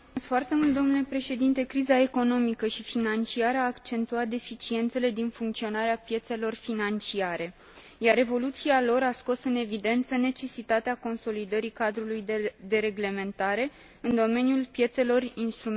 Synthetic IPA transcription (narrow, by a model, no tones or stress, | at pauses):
sfoart̪e̞mult̪̚d̪o̞mnule̞pɾe̞ʃe̞d̪int̪e̞kɾizae̞ko̞no̞mikəʃifinant͡ʃiaɾəaːkt͡ʃe̞nt̪uat̪̚d̪e̞fit͡ʃie̞nt̪se̞le̞d̪infuŋkt̪sio̞naɾeapje̞t̪se̞lo̞rfinant͡ʃiaɾe̞ | jaɾe̞vo̞lut̪sialo̞ɾasko̞sɨne̞vid̪e̞nt̪səne̞t͡ʃe̞sit̪at̪eako̞nso̞lid̪əɾikad̪ɾulujd̪e̞ɾe̞ɡle̞me̞nt̪aɾe̞ | ɨnd̪o̞me̞njulpje̞t̪se̞lo̞rinst̪ɾum